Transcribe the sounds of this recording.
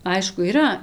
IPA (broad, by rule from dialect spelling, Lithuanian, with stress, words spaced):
ˈɐɪʃkʊ iːˈrɐ